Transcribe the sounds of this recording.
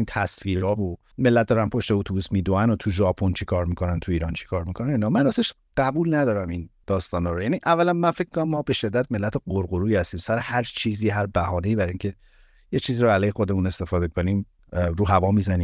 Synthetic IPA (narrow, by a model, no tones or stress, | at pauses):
int̪ʰæsfiːɾɒːbo | me̞lːæt̪̚d̪ɒːɾæmpʰo̞ʃt̪eot̪ʰubuːsmiːd̪oænot̪ʰuʒɒːpʰont͡ʃʰe̥kʰɒːɾmikʰo̞nænt̪ʰuiːɾɒːnt͡ʃʰe̥kʰɒːɾmikʰonænoinɒːmænæseʃ | ɢ̥æbulnæd̪ɒːɾæmind̪̥ɒːst̪ɒːnhɒːɾojæːniʔævːælænmænfec̚ʰm̥konæmːɒːbe̞ʃe̞d̪ːæt̪̚me̞lːæt̪ʰeɡoɾɡoɾuːjihæst̪iːmsæɾehæɾt͡ʃʰiːziːɦæɾbæhɒːne̞iːbæɾiŋcʰe̞ | jet͡ʃʰiːziːɾoælɛːjhexod̪emune̞st̪e̞fɒːd̪ekʰo̞niːm | ɾuːɦævɒːmizæniː